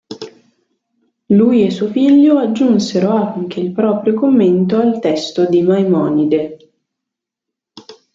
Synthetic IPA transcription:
lujesːuofiʎːoad͡ʒːunseɾoaŋk̟eilpɾɔːpɾjokomːent̪oalt̪ɛst̪od̪imajmɔːnid̪e

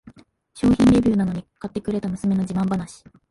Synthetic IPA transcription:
ɕo̞ːçĩnɾe̞bʲɨːnano̞ɲ̟ikat̪ːe̞kɯ̟ɾe̞t̪amɯ̟sɨme̞no̞d͡ʑimãmbanaɕi̥

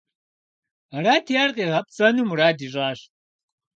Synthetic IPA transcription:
ɐɾaːtʰijarqʼiːʁɐpʼt͡sʼɐnumuraːdiʒaːɕ

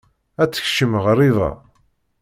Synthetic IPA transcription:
æt͡sːə̥çʃəməʁɾˤiðɑ̰

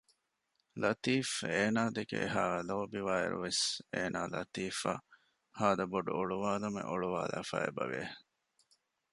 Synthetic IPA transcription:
lɐt̪iːfeːnaːd̪ekḛeɦaːloːbiʋaːḛɾṵʋeseːnaːlɐ̰t̪iːfa̰ | haːd̪ɐboɖuoɭuʋaːlɐmḛʔoɭuʋaːlæ̰ːfɐ̰ebɐʋe

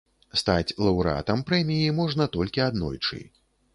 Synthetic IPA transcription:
st̪at͡sʲlˠɐwɾɨa̰t̪ɐmpɾɛmʲijimɔʐnɐt̪ɔlʲkʲiad̪nɔ̰jt͡ʂɨ̰

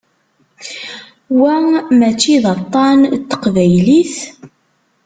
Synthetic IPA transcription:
wæmæt͡ʃːiðɑt̪ˤːɑnt̪ːə̥qvæjliθ

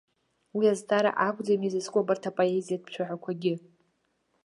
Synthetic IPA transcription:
wiaztʰʼaɾa̰ʔakʷʼd͡zamizɨskʷʼobartʰapʼoezijad̚pʰʃʷʰaħʷakʷʰaɡʲɪ

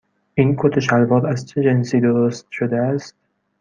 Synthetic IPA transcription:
inkʰot̪ʰeʃælbɒːɾæzt͡ʃʰed͡ʒensiːd̪oɾost̪ʃod̪eæst̪̚

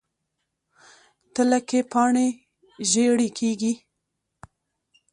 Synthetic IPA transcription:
t̪əlakepɑɳe | ʒeɽikʰeɡi

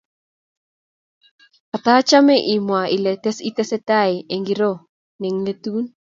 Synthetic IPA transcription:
at̪at͡ʃamɛʔimwailɛt̪ɛsit̪ɛsɛt̪ajeŋɡiɾo | neŋlet̪un

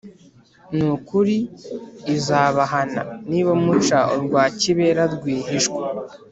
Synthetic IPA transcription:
nukuɾiː | zaːβaɦana̰niβomut͡ʃaoɾɡwaːciβeːɾaɾɡwiːɦiʃkwe

